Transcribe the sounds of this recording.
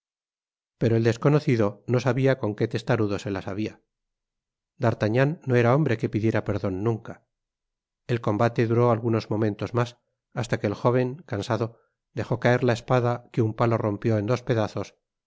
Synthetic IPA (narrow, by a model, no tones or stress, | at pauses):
pe̞ɾo̞eld̪e̞sko̞no̞θiðo̞no̞saβiako̞ŋke̞t̪e̞st̪aɾuðo̞se̞lasaβ̞ia | d̪aɾt̪aɲanːo̞e̞ɾao̞mbɾe̞ke̞piðje̞ɾape̞ɾðo̞nːũŋka | e̞lko̞mbat̪e̞ðuɾo̞alɣuno̞zmo̞mẽ̞nt̪o̞zmas | ast̪ake̞ːlxo̞β̞e̞ŋkansaðo̞ | d̪e̞xo̞kaeɾlae̞spaðakeumpalo̞ro̞mpjo̞e̞nd̪o̞spe̞ðaθo̞s